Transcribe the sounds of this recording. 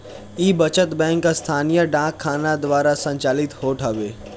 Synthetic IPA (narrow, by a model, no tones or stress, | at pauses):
iːbət͡ʃət̪bɛ̃ːŋkːast̪ʰaːnijəɖãːkʰːaːnad̪ʋaːɾasə̃ɲt͡ʃaːlɪt̪hoːʈʰaːʋeː